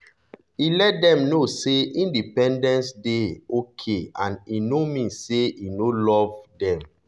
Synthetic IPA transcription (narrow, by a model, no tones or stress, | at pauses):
ilɛt̚dɛ̃mnoseʔĩndipɛ̃ndɛ̃nsdeokʰeãninomĩnseinolɔvdɛ̃m